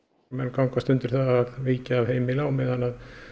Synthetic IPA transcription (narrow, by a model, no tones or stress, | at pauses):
mɛnkawŋkast̪ʏnt̪ʏɾ̥θaðaðviːcaːvhejmɪlaːwmɪðanað